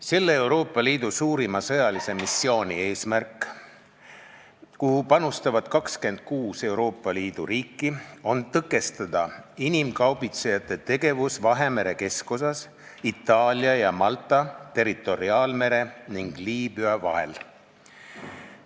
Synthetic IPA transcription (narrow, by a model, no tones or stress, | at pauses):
se̞lːeewɾo̞ːpːˑɑliːd̪̥usuːɾimɑsɤjɑlise̞misːio̞ːnʲie̞ːsmærkːˑ | kuhupɑnust̪ɑvɑd̪̥kɑkske̞nd̪̥̚kuːse̞wɾo̞ːpˑːɑliːd̪̥uɾiːkˑːio̞nt̪ɤɡˑe̞st̪ɑd̪̥ɑinimkɑwbit̪sejɑt̪ːˑe̞t̪e̞ɡe̞vusvɑɦe̞me̞ɾe̞ke̞sko̞s̬ɑs | it̪ːˑɑːlʲiɑjɑmɑlt̪ːˑɑt̪e̞ɾit̪ːˑo̞ɾiɑːlme̞ɾe̞niŋɡ̥liːbyɑvɑ̰ɦe̞l